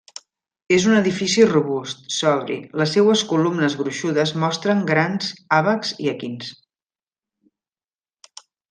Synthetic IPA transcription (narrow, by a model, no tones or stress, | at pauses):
ezunəðifisiruβust̪sɔβɾḭləsːewəskulumnəzɣɾuʃuðəzmɔst̪ɾəŋɡɾanzaβəkz̥iəkins